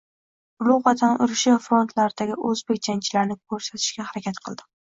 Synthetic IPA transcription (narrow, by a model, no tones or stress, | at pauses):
ʊlˠoʁat̪ʰanʔʊɾɪʃɪafɾo̞nt̪ʰlaɾɪd̪aɡʲɪʔɵzbekʲd͡ʒant͡ʃʰɪlaɾnɪkʰɵɾsat̪ʰɪ̥ʃɡʲahaɾakʲʰat̪qʰɨlˠd̪ɪ̥